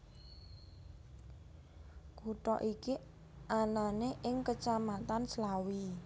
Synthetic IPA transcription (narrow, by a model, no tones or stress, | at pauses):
kuʈɔ̰ʔiki | ananeʔɪŋkət͡ʃamat̪anslawi